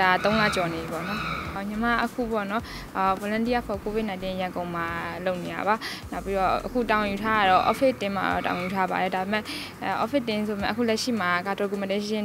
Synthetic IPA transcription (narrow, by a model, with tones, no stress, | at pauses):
a˨˦t̪õ˦ʊ̃la̰˦˨t͡ɕɔ˨ne˨i˨pɔ̰˦˨nɔ˦ho˦˨ʔɲə˨ma̰˦˨ʔəkʰṵ˦˨pɔ̰˦˨nɔ˦˨ | po˨lã˦ndi˦ja˦˨pʰɔ˨ko˨vɪ˦ʔnã˨ɪ̃nt̪ɪ̃˦jã˨ŋɡõ˨ʊ̃ma˨lo˦ʊʔne˨ja̰˨βa˨˦na˦ʊpːi˦ɔ˦ʔəkʰṵ˦˨ta˨wɪ̃˨ju˨tʰa˦a˦˨ɾɔ˦ʔɔ̰˦pʰɪ˦ʔtɪ̃˦ma̰˨ɹɔ̰˦ʔa̰˨w̃ɪ̃˨ju˨tʰa˦ba̰˨ɾɛ˨da˨be˨mɛ˦˨ | ʔɔ̰˦pʰɪ˦tːɪ̃˦sʰo˨mɛ̰̃˦˨ʔəkʰṵ˦˨lɛ˦ʔʃḭ˦˨ma˨ka˨tɔ˨k̬u˨mə˨e˦ɪ̃˦